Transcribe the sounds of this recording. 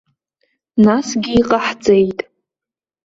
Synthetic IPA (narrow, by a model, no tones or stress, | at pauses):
nasɡʲiːqʼaħt͡sʼe̞jtʼ